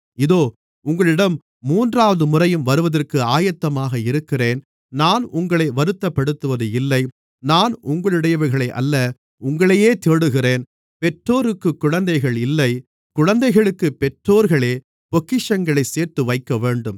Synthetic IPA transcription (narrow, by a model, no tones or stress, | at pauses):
ɪðoː | ʊŋɡɐɭɪɽɐmː | uːndraːʋɐðɯmʊrɐjɯmʋɐɾɯʋɐðɐrkɯaːjɐt̪ːɐmaːɣɐɪɾɯkːɪreːn | naːnʊŋɡɐɭɐɪʋɐɾɯt̪ːɐpːɐɽɯt̪ːɯʋɐðɯɪlːɐɪ | naːnʊŋɡɐɭɪɽɐjɐʋɐɾɣɐɭɐɪʔɐ̰lːɐ | ʊŋɡɐɭɐjeːt̪eːɽɯɣɪreːn | pɛʈroːɾɯkːɯkːʊɻɐnd̪ɐɪɣɐɭɪlːɐɪ | kʊɻɐnd̪ɐɪɣɐɭɯkːɯpɛʈroːɾɣɐɭeː | pɔkːɪʂɐŋɡɐɭɐɪseːɾt̪ɯʋɐɪkːɐʋeːɳɖɯm